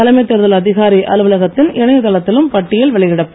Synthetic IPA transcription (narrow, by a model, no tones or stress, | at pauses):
ɐlɐmɐt̪ːɛɾɯðɐlɐðɪɣaːɾiʔɐ̰lɯʋɯlɐɣɐt̪ːɪnɪɳɐjɐt̪ːɐlɐt̪ːɪlɯmpɐʈːɪjɐlʋɛɭɐɣɪɽɐpː